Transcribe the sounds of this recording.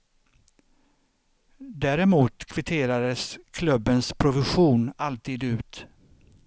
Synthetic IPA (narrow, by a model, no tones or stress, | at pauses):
d̪æːɾɛmuːt̪kʰvɪt̪ʰeːɾad̪əskʰlɵbːənspʰɾʊvɪɧuːnalt̪ʰiːd̪ʉ̟ːt̪